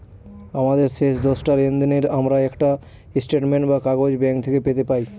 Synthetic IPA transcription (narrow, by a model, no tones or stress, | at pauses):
amad̪eɾʃeʃd̪ɔsʈaɾend̪ineɾamɾaɛkʈa | isʈeʈmeɳʈbakaɡod͡ʑbɛŋk̚t̪ʰekepet̪epaj